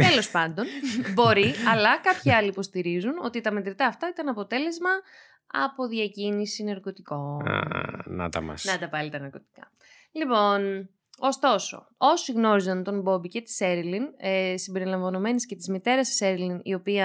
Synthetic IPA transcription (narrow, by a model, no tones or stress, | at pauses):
t̪elo̞spɐnd̪o̞nbo̞ɾiɐlɐkɐpçiɐliːpo̞st̪iɾizuno̞̰t̪it̪ɐmet̪ɾit̪ɐːft̪ɐit̪ɐnɐpo̞t̪e̞le̞zmɐ | ɐ̰po̞ðɐcinisinɐɾko̞t̪iko̞̰ | nɐ̰t̪ɐ̰mɐ̰snɐt̪ɐvɐlit̪ɐnɐɾko̞t̪i̥kɐ̰ | lipo̞n | o̞st̪o̞so̞̰ | o̞siɣno̞ɾizɐnt̪o̞mbo̞bice̞t̪i̥seɾilinesimbe̞ɾilɐɱvɐno̞me̞nesce̞t̪izmit̪e̞ɾɐsi̥seɾilinio̞piɐ